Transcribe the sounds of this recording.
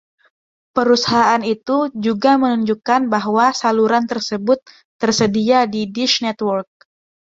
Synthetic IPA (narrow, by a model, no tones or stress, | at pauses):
pəɾusaɦaanit̪ud͡ʒuɡamənuɲd͡ʒukanbaɦwasaluɾant̪ərsəbʊt̪ː | ərsədiadidiʃnɛt̪wɔrk̚